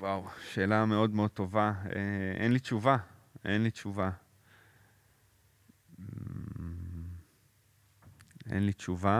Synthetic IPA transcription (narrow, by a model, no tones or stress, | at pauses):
wawʃe̞ːlame̞o̞d̪meo̞d̪̚t̪o̞vaeʔḛnlit͡ʃuvaenlit͡ʃuva | ḛnlit͡ʃuva